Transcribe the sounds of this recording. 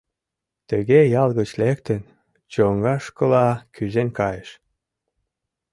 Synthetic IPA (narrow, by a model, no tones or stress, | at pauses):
t̪əɣejɑlɣət͡ɕlek̚t̪ən | t͡ɕoŋɡɑʃkəlɑkʰyzenkɑjəʃ